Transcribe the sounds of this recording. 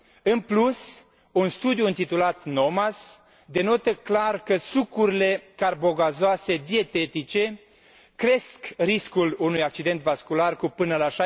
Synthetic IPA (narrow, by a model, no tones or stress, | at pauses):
ɨnplus | unst̪ud̪juɨnt̪it̪ulat̪no̞mas | d̪e̞no̞t̪əklarkəsukuɾile̞karbo̞ɡazoase̞d̪ie̞t̪e̞t̪it͡ʃe̞ | kɾe̞skriskulunujak̚t͡ʃid̪e̞nt̪vaskularkupɨnəlaʃa